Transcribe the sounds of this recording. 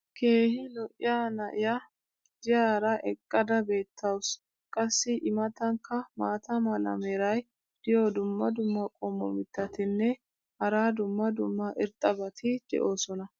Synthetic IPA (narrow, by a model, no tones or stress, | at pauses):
kʰe̞ːhɪlɔʔɪ̰jaːnɐʔɪjɐ | d̪̥ɪjaːɾɐʔɛkʼːɐd̪ɐbe̞ːt̪ʰːɐws | kʼɐsːɪʔɪmɐt̪ɐŋkːɐmaːt̪ɐmɐlɐ̰mɛɾɐj | d̪̥ɪjod̪ʊmːɐd̪ʊmːɐkʼɔmːɔ̰mɪt̪ːɐt̪ɪnːɛ | hɐɾaːd̪ʊmːɐd̪ʊmːɐʔɪɾt̪ʼɐbɐt̪ʰɪd̪̥ɛ̰ʔo̞ːsɔnɐ